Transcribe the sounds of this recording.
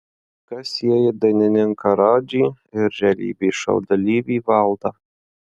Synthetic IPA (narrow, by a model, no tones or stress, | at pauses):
kɐsʲiɛjɪd̪ɐnʲɪnʲɪŋkɐɾɑːd͡ʒʲiː | ɪɾʒʲɛlʲḭːbʲiːʃɐ̰ʊd̪ɐlʲiːʋʲiːʋɑlˠd̪ɐ